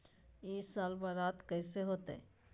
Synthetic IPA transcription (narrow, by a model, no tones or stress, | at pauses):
esaːlbaɾaːt̪kɛːseɦoːt̪eɛ̰̃